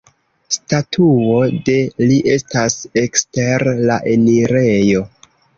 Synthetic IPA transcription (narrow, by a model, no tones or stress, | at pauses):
statʰuode̞liʔe̞stase̞ksteɾlaʔe̞niɾe̞jo̞